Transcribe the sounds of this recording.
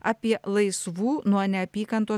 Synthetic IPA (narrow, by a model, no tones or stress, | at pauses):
aːpʲiɛlˠɐɪsʋuːnuɔnʲɛɐpʲiːkɐnt̪o